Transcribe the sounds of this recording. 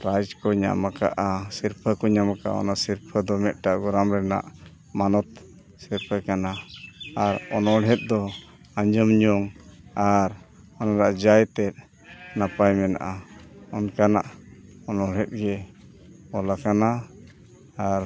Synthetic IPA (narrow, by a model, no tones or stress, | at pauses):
ɾajd͡ʒkɔɲa̰maka̰ʔasiɾpʰəkɔɲamaka̰ɔ̰naʔsiɾpʰəd̪ɔmɛt̪̚ʈaʔɡɔɾamɾɛna̰ʔ | manɔt̪̚ | siɾpʰəkanaː | ɾɔnɔɽɦɛt̪̚d̪ɔ | aɲd͡ʒəmɲɔŋaɾ | ɔnaɾaʔd͡ʒajt̪ɛt̪̚ | napajmɛna̰ʔaɔnkanaʔɔnɔɽɦɛt̪̚ɡɛ | ɔlakana | aɾ